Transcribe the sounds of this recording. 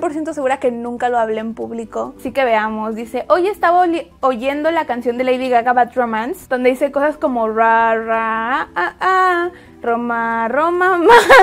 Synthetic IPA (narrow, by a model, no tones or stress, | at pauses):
po̞ɾsje̞nt̪os̬e̞ɣuɾake̞nũŋkalo̞aβleːmpuβliko̞sike̞βe̞amo̞zðise̞ʔo̞ʝest̪aβooʝe̞nd̪o̞lakansjo̞nd̪e̞lejðiɣaɣaβat̪romansd̪o̞nd̪e̞ise̞ko̞sasko̞mo̞raraaa | romaromama